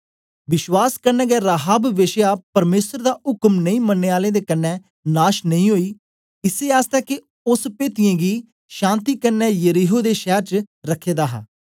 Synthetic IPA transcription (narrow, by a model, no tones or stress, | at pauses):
ʋɪʃwaːskəɾnɛ̃ːɡɛːɾaːɦaːbʋɪʃjaːpəɾmeːsəɾd̪aːʊkmnəĩːmənːeːaːlẽːd̪eːkənːɛ̃ː | naːʃnəĩːɦoːiː | ɪseːaːst̪ɛːke | ʊspeːt̪ɪjẽːɡiː | ʃãːnt̪iːkənːɛːjəɾiːɦoːd̪eːʃɛːɾt͡ʃɾəkʰːeːd̪aːɦa̰ː